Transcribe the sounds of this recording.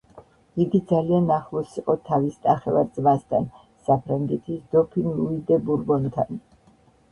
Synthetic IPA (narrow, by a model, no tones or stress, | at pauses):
iɡid̪zalianːaχlˠɔsiqʼɔt̪ʰavisnaχɛva̰ɾd̪zmast̪ʰan | sapʰɾaŋɡɛt̪ʰisd̪̥ɔpʰinluid̪ɛbuɾbɔnt̪ʰan